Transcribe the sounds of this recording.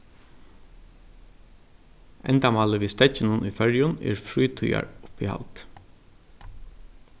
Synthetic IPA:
ɛ̰nt̪amɑːləʋiːst̪ɛt͡ʃːɪnənʔṵfɛɹjʊnɛ̰ɹfɹuːt̪ʰuja̰ɹʊpiha̰lt̪

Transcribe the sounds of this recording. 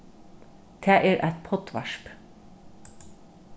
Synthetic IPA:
d̪̥ʰeːʔeːɾʔæɪt̪̚pʰɔt̪ʋɑ̰ʃp

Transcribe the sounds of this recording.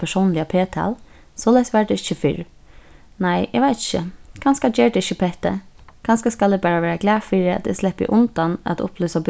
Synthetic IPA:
pʰɛʂɔʊnlɪapʰeːt̪ʰa̰ːl | sɔːlæɪsʋæɖɛɪçəfɪɹ | naɪʔɛɡʋaɪt̪ɪ̥çəkʰanskad͡ʒɛːɹdɛɪçəpʰɛht̪ə̰kʰanskaskalɛbæːɹaʋæːɹaklæːfiːɾɪa̰t̪ɛ̰slɛpːɪ̰ʔʊnt̪anæ̰t̪ʊ̰plyːsab

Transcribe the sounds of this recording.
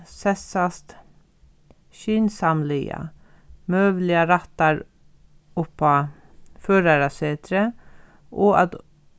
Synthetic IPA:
sɛsɑst̪ | ʃyːnsɑmlɪːɑ̰ | møːʋlɪɑɾɑt̪ɑɾ | ʊpɑ | føːɾɑɾɑseːt̪ʰɾə | ʔoːʔɑ̰t̪

